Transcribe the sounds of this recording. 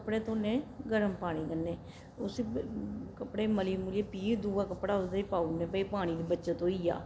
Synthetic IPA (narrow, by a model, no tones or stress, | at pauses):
kəpɽeːt̪õːnẽːɡəɾəmpaːɽ̃iːkənːeː | ʊs | kəpɽeːməliːmuːleːpiːd̪uːaːkəpɽaːʊsd̪epaːuːnẽːpəiːpaːɽ̃iːd̪ibətːʃeːt̪õːiːa̰ː